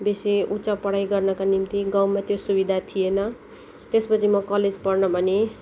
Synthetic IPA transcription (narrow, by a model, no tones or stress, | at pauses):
beseut͡sapʌɽajɡʌrnʌkanimt̪iɡawmat̪josubid̪ʱat̪ʰijenʌ | t̪espʌt͡sʰimʌkʌled͡zpʌrnʌbʱʌne